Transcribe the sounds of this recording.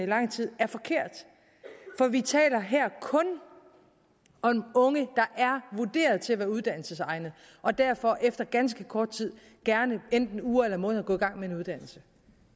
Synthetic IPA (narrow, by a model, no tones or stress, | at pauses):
ilɑ̈ŋ̰t͡sʰið̞̰ˠæɐfɒ̽kʰe̝ɐ̰d̥ | fɒ̽ʋit͡sʰɛ̰ːlɐɦeɐ̰kʰɔ̽n | ɒ̽mɔ̽ŋəd̥ɑ̈ʔæɐʋud̥e̝̰ːɐð̞ˠt͡sʰe̝æʋæːɐuð̞ˠd̥æn̰l̩səsɑ̈ɪnð̩ˠ | ʔɒ̽d̥æɐfɒ̽ʔefd̥ɐɡ̥ænsɡ̥əkʰɒːd̥̚t͡sʰið̰ˠ | ɡ̥æɐnəend̥n̩uːɐelɐmɔ̽ːn̩ˠɐɡ̥ɔ̽ːiɡ̥ɑ̈ŋ̰mee̝nuðˠd̥æn̰l̩sə